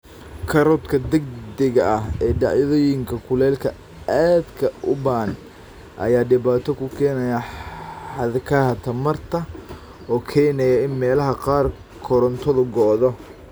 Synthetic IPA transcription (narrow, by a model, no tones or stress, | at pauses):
kʰɐɾɔt̪kʰɐd̪ɛɡd̪ɛɣɐɐɦɛːɖɑʕjɐðɔːjɪŋkʰɐkʰʊlɛːlkʰɐ | aːd̪kʰɐʊban | ʔɐ̰jaːɖɪβaːt̪ʰɔkʰʊkʰɛːnɐjɐħɑðkʰɐɦɐt̪ʰɐmɐrt̪ʰɐ | ɔːkʰɛːnɛjɐɪnmɛːlɐɦɐqɑːr | kʰɔɾɔnt̪ʰɔðʊɡɔːðɔ